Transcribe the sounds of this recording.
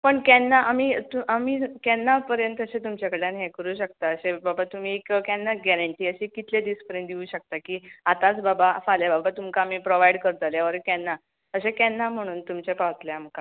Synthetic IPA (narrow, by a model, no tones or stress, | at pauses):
pəɳkɛnːaʔam̤iːt̪uʔamiːkɛnːapəɾjənt̪əɕet̪umt͡ɕakəɽeanɦekəɾuːɕək̚t̪aəɕebabat̪um̤iːekəkjãnːaɡɛɾəɳʈiːəɕekit̪led̪iːspəɾjənt̪d̪iuːɕək̚t̪akiːat̪at͡sbabafaljababat̪umkaːm̤iːpɾoʋajɽkəɾt̪aljaʋəɾkjɛnːa | əɕekɛnːam̤əɽ̃uːnt̪umt͡ɕepaʋt̪leam̤ka